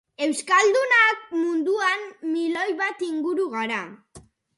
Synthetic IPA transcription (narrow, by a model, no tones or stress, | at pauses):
e̞wskald̪unak̚mund̪uanmilo̞jβat̪iŋɡuɾuɣaɾa